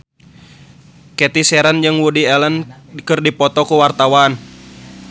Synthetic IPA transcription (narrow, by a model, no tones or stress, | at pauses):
kɛt̪isɛɾand͡ʒɨŋwudiɛlənkɨrdipɔt̪ɔkuwart̪awan